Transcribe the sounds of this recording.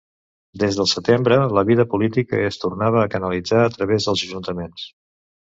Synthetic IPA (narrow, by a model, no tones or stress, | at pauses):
d̪ezðəlˠsət̪embɾələβiðəpulit̪ikə̰əst̪urnaβəːkənəlid͡zaət̪ɾəβ̞ezðəlˠzəʒunt̪əmens